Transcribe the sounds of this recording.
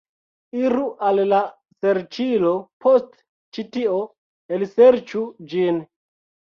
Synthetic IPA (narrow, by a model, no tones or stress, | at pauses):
iɾuʔalla | seɾt͡ʃilopʰost | t͡ʃitio | elseɾt͡ʃud͡ʒin